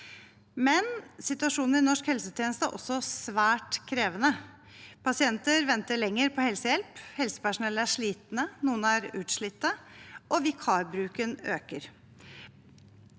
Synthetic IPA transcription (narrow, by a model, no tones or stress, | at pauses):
mɛnsɪt̪ʉɑʂuːnəɾɪnɔʂkhɛlsət̪ʰjɛːnəst̪əæ̰ʔɔ̰sːɔsʋæːʈkʰɾeːʋənə | pʰɑsɪɛnt̪əɾʋɛnt̪əɭɛŋːəɾpʰɔhɛlsəjɛlphɛlsə̥pæʂʊnɛlːəæʂɭiːt̪nənuːənæɾʉːt̪ʂɭɪt̪ːəʔɔʋɪkʰɑːɾbɾʉːkənøːkəɾ